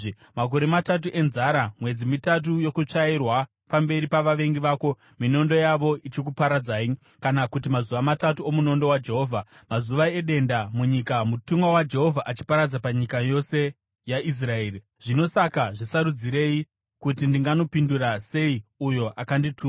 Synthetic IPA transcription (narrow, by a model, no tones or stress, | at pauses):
mak̬o̞ɾe̞matat̬uʔe̞nzaɾamwe̞d͡zimitat̬ujo̞kut͡ʂairwa | pambe̞ɾipaʋaʋe̞ŋɡiʋaːko̞ | mino̞ndo̞jaʋo̞it͡ʃik̬upaɾad͡zaːi | kanakutimazuʋamatatuomuno̞ndo̞wad͡ʒe̞ɦo̞ːvʱamazuʋae̞ɗe̞ndamuɲikamutumwawad͡ʒe̞ɦo̞vʱaʔat͡ʃi̥paɾad͡zapaɲikajo̞se̞ | jaʔis̬rae̞ːri | ʐ̥ino̞sakaʐisaɾud͡ziɾe̞ji | kutindiŋɡano̞pindurase̞iujo̞ʔakanditʰuː